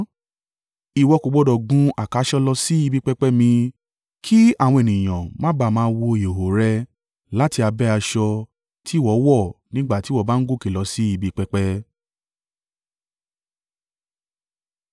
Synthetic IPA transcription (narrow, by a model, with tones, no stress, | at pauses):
i˨wɔ˧ko˨˧ɡ͡bɔ˦dɔ˨ɡũ˦a˦˨ka˨˦ʃɔ˦lɔ˧si˦i˧bi˦k͡pɛ˦k͡pɛ˦mĩ˧ | kʰi˦a˦˨w̃ɔ̃˧e˨nĩ˨j̃ã̰˨mã˦ba˧˨mãː˧˦˧wo˧i˨o˨ɦo˨ɾɛ˧ | la˦ti˧a˧bɛ˦a˧ʃɔ˧ | tʰi˦wɔ˨˦wɔ˦˨nĩ˦ɡ͡ba˦˨ti˨˦wɔ˦˨ba˦n̩˦ɡu˦˨ki˨lɔ˧si˦i˧bi˦k͡pɛ˦k͡pɛ˦